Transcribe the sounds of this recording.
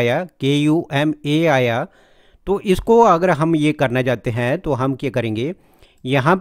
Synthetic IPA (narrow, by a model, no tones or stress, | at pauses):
jakeːjuːʔɛːmeːaːja | t̪oːʔɪskoɐɡəɾɦɐmjekɐɾnat͡ʃaːt̪eɦɛ̃t̪oɦɐmkjakɐɾẽːŋɡeː | jɐɦãp